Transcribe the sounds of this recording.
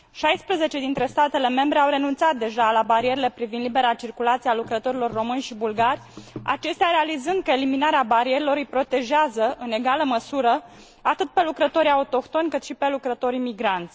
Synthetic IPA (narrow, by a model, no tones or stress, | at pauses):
ʃajspɾəze̞t͡ʃe̞d̪int̪ɾe̞st̪at̪e̞le̞me̞mbɾe̞awɾe̞nunt̪sat̪̚d̪e̞ʒalabaɾie̞ɾile̞pɾivind̪libe̞ɾat͡ʃirkulat̪sialukɾət̪o̞ɾilo̞rːo̞mɨnʲʃibulɡarʲa̰t͡ʃe̞st̪eaɾe̞alizɨnd̪̚kəeliminaɾeabaɾie̞ɾilo̞ɾɨjpɾo̞t̪e̞ʒeazəʔɨne̞ɡaləməsuɾə | at̪ɨt̪̚pe̞lukɾət̪o̞ɾʲaut̪o̞kt̪o̞nʲkɨt̪ʃipe̞lukɾət̪o̞ɾimiɡɾant̪sʲ